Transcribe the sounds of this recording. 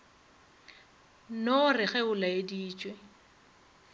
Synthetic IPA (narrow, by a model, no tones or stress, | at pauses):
norɪɣɛʊlaediːt͡ʃʼwe